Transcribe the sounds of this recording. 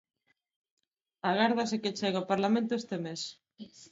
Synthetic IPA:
aɣaɾð̞ɐsekɪt͡ʃɛɣaopaɾlamẽnt̪ʊest̪emes

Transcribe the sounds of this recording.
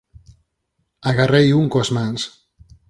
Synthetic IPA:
aɣarejuŋkoazmans

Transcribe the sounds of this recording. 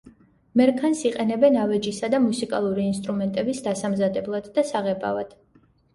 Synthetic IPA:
mɛɾkʰansiqʼɛnɛbɛnavɛd͡ʒisad̪amusikʼalˠuɾiːnst̪ʼɾumɛnt̪ʼɛbisd̪asamzad̪ɛblˠad̪̥ːasaʁɛbʼa̰vad̪̥

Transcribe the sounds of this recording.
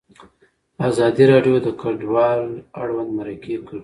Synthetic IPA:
azɑd̪iɾɑɖjod̪əkaɖwɑla̰ɽwand̪maɾakekəɽ

